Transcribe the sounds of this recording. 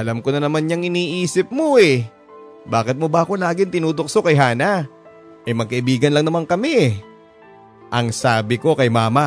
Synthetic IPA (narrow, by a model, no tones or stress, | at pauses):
ʔɐlamkonɐnɐmanɲɐŋɪniːʔiːsɪp̚mo̞ʔɛ | baːkɪt̪̚mobɐʔɐko̞laːɡɪnt̪ɪnuːd̪ok̚sokɐjɦaːna | ʔɐjmɐɡ̚kɐʔɪbiːɡɐnlɐŋnɐmaŋkɐmɛ | ʔɐŋsaːbɪko̞kɐjmaːma